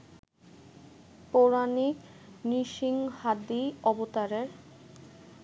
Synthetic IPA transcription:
poɾanikniʃiŋhad̪iɔbot̪aɾeɾ

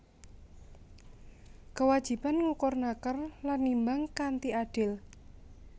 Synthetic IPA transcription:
kəwad̥ʒ̥i̤panŋukɔrnakərlanːimbaŋkant̪iaɖ̥ɪl

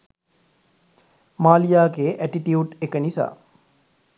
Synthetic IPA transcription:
maːlijaːɡeːʔæʈiʈiuʈekənisa̰ː

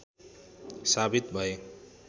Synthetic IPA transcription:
sabit̪̚bʱʌe

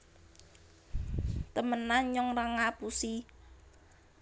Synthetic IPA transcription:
t̪əmənaɲɔŋraŋapusi

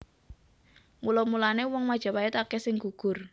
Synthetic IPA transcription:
mulɔmulanewɔŋmad̥ʒ̥a̤paɛt̪akɛsɪŋɡ̥uɡ̥ʊr

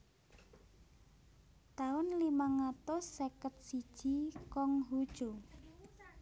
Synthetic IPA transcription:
t̪aʊnlimaŋat̪osːekət̪̚sid̥ʒ̥i̤kɔŋɦud̥ʒ̥o

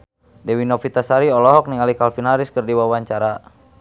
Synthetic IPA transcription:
dɛwinɔfit̪asaɾiɔlɔɦɔk̚niŋalikalfinaɾiskərdiwawaɲt͡ʃaɾa

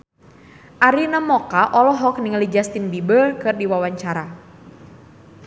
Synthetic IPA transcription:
ʔaɾinamɔkaʔɔlɔɦɔk̚niŋlid͡ʒast̪inbibəlkɨrdiwawaɲt͡ʃaɾa

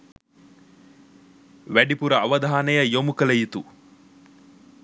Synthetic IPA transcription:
ʋæɖipuɾɐɐʋɐd̪ʱaːnɐjɐjomukɐlɐjit̪u

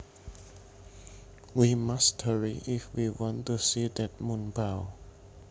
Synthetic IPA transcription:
wimasthəɹiʔifwiwɔ̃ntusidɛt̚mũnbaʊ

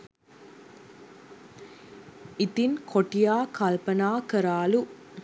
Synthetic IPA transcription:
ɪt̪ɪnkʰɔʈːɪjaːkaːlpɐnaːkɐɾaːlu

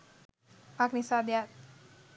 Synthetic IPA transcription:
paknisad̪jat̪̚

